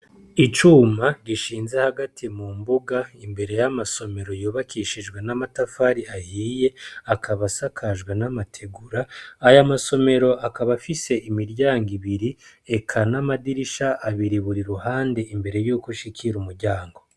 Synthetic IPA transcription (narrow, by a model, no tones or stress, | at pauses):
it͡ʃuːmaɟiʃiːnze̞haɡatʰimumbuɡaimbe̞ɾe̞jamaso̞me̞ɾo̞joːβakiʃiʒɡwe̞namatafaɾiahiːje̞akʰaβasakʰaʒɡwenamatʰe̞ɡuɾaːjamaso̞me̞ɾo̞ʔakaβafise̞imiɾɟaːŋɡiβiɾie̞kʰanamadiɾiʃaʔaβiɾiβuɾiɾuhaːnde̞imbe̞ɾe̞juːkuʃikʰiɾumuɾɟaːŋɡo̞